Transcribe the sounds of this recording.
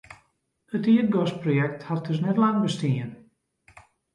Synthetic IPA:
ətiətɡɔsprojɛk̚that̚d̥øs̬nɛtlaŋbəstiən

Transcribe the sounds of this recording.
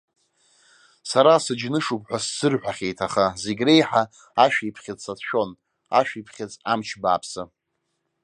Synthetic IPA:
saɾasɨd͡ʒnɨʂupħʷᶣasːɨrħʷᶣaχʲe̞jtʰaχazeɡʲre̞jħa | aʃᶣiipʰχʲɪt͡sʼsatʰʃᶣo̞n | a̰ʃᶣipʰχʲɪt͡sʼamt͡ʃʰba̰ːpʰsɨ

